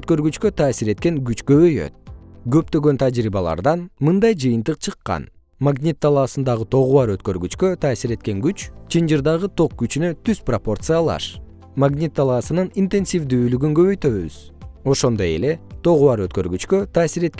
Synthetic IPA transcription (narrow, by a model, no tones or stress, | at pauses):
øt̪kø̞ɾɡyt͡ʃkøt̪ʰɑːsiɾe̞t̪̚ke̞ŋɡyt͡ʃkø̞βø̞jø̰t̪̚ɡø̞pt̪ø̞ɡø̞nt̪ʰad͡ʒɾiːβɑlˠɑ̰ɾd̪ɑnmɯnd̪ɑjd͡ʒɯjɯnt̪ɯqt͡ʃʰɯqːɑ̰n | maɡnʲit̪ːalˠɑsɯnd̪ɑʁɯt̪ʰo̞ʁuɑɾø̞t̪̚køɾɡyt͡ʃkøt̪ʰɑːsiɾe̞t̪̚ke̞ŋɡyt͡ʃt͡ʃʰind͡ʒɯɾd̪ɑʁɯt̪ʰo̞k̚ɡyt͡ʃynø̞t̪ʰyzpropo̞rt̪sɨjalˠɑ̰ʃ | maɡnʲit̪ːalˠɑːsɯnɯnint̪e̞nsʲivd̪yːlyɡyŋɡø̞βø̞jt̪ø̞βy̰z̥o̞ʃo̞nd̪o̞je̞̰le̞t̪ʰo̞ʁuɑɾø̞t̪̚kø̞ɾɡyt͡ʃkø̞t̪ʰaːsiɾe̞t̪k